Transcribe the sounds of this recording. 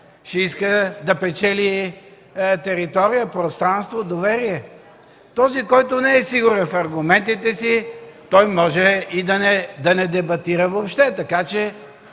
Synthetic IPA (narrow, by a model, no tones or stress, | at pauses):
ʃɛiskəd̪ɐpɛt͡ʃɛli | t̪ɛɾit̪ɔɾijəpɾost̪ɾanst̪vod̪ovɛɾiɛ | t̪ɔzikɔjt̪ʊnɛɛsiɡʊɾɛnfɐɾɡʊmɛnt̪it̪ɛsit̪ɔjmɔʒɛid̪ɐnɛd̪ɐnɛd̪ɛbɐt̪iɾəvopʃt̪ɛt̪ɐkat͡ʃɛ